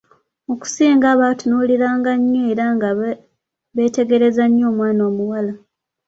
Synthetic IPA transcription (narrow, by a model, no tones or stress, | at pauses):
o̞ku̥siːŋɡaːβatunuliɾaːŋɡaɲːeːɾaŋɡa | βeːte̞ɡe̞ɾe̞zaɲːo̞ːmwaːnoːmuwala